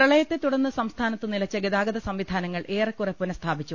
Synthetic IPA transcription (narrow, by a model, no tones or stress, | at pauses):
prɐɭɐjɐt̪ːet̪uɽɐnːɨsɐmst̪ʰaːnɐt̪ːɨnilɐt͡ɕːɐɡeðaːɡɐd̪ɐsɐmʋid̪ʱaːnɐŋːɐɭʔe̞ːrɐkːurɐpːunɐst̪ʰaːbit͡ɕːu